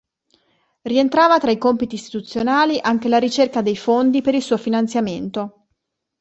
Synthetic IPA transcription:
rient̪ɾaːvat̪ɾaikompit̪iːst̪i̥t̪ut̪sːjonaːliʔaŋk̟elaɾit͡ʃerkad̪ejfond̪ipeɾilsuːofinant̪sjament̪o

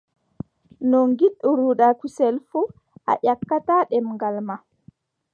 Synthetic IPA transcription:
nɔŋɡiɗuɾuɗakusɛlfu | ʔa̰ʔakːataɗɛmŋɡalma

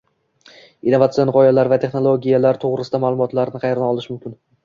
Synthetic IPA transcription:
inovat̪sienʁɒjalaɾvat̪ʰe̞χno̞lˠoɡʲijalaɾt̪ʰoʁɾɪsɪd̪amaːlˠʊmɒt̪laɾnɪqʰɑjɾnaɒlˠɪʃmʊmkʲɪn

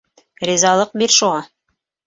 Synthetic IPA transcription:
ɾʲizɑlˠɤq̚biɾʃuʁɑ

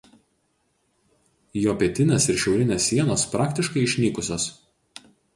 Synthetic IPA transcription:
joːpʲiɛt̪ʲɪnʲeːsɪɾʃʲɛʊɾʲɪnʲeːsʲːiɛnoːspɾɑːkt̪ʲɪʃkɐɪɪʃʲnʲiːkʊsʲoːs

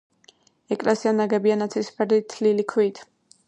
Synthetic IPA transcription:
ɛkʼlɛsianaɡɛbianat̪sʰispʰɛɾd̪it̪ʰlilikʰwit̪ʰ

